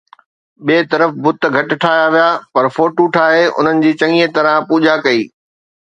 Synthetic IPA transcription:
ɓeːt̪ɐɾəfbʊt̪̆ɡʱɐʈɪ̆ʈʰaːjaʋijapɐɾfoːʈuʈʰaːɦeʊ̰n̤ənɪ̆d͡ʑiːt͡ɕɐ̃ŋiet̪ɐɾə̃puːd͡ʑakɐiː

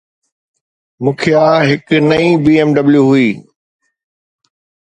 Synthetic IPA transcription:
mũːkʰijaːɦɪknɐibiːeːmɖɐbljuɦʊiː

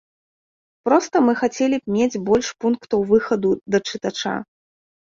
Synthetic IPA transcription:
pɾɔst̪ɐmɨxat͡sʲɛlʲipmʲed͡zʲbɔlʲʂpunkt̪ɐwvɨxɐd̪ud̪ɐt͡ʂɨt̪at͡ʂa̰

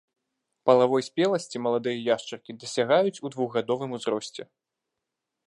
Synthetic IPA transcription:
pɐlˠavɔjsʲpʲɛlˠɐsʲt͡sʲimɐlˠad̪ɨjɐjaʂt͡ʂɐrkʲid̪ɐsʲaɣajut͡sʲud̪vuɣɣad̪ɔvɨmuzɾɔsʲt͡sʲɛ

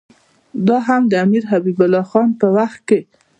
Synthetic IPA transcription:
d̪ɑɦamd̪əamiɾɦabibʊlːɑxɑnpəwaxt̪̚ke

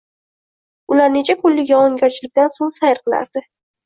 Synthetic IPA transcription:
ʊlaɾne̞t͡ʃʰakʰʊlːɪɡʲaɒŋɡʲɒɾt͡ʃʰlɪkʲd̪ansoŋsajɪɾqɨlˠa̰ɾd̪ɪ

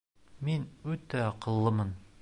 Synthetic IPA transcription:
minʉt̪æqɤ̆lˠːɤmɤn

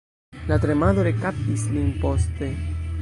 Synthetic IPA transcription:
lat̪ɾemaðoɾekap̚islimpost̪e

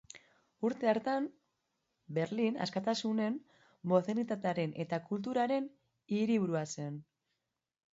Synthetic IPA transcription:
uɾt̪e̞aɾt̪an | be̞ɾlina̰skat̪asune̞m | mo̞θenit̪at̪eaɾe̞nʔe̞t̪akult̪̬uɾaɾe̞n | iɾiβuɾuase̞n

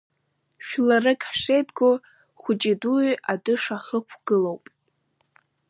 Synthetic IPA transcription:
ʃᶣlarɨkʼħʂejbʼɡo | χʷʊt͡ʃʼidujʔadɨʂaχəkʷʰɡ̥ɨlowpʼ

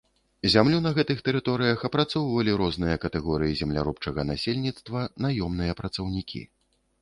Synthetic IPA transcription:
zʲamlʲunɐɣɛt̪ɨxt̪ɛɾɨt̪ɔɾɨjɐxɐpɾat̪sɔwvɐlʲiɾɔznɨjɐkɐt̪ɛɣɔɾɨjizʲɛmlʲa̰ɾupt͡ʂɐɣɐnasʲelʲnʲit̪st̪vɐnajɔmnɨjɐpɾɐt̪sɐwnʲikʲʰḭ

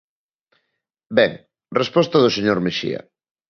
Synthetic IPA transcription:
bɛŋ | respɔst̪ɐðoseɲoɾmeʃḭɐ̰

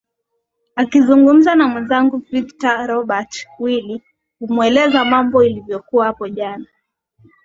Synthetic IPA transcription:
akizuŋɡum̩zanamwɛnzaŋɡuviktaɾɔɓatwili | kumwɛlɛzamambɔilivjɔkuahapɔʄana

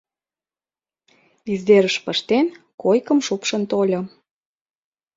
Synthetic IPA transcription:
izd̪eɾəʃpə̆ʃt̪en | kojkəmʃupʃə̆nt̪olʲɤ̆

